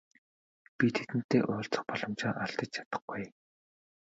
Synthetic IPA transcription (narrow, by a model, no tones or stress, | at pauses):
pʲit̪ʰe̥t̪ɘ̆nt̪eːʔʊːɬt͡sə̥̆χpɔɮɞ̆mt͡ɕaːʔaɬt̪ə̆t͡ɕt͡ɕʰḁt̪ə̆χɡuj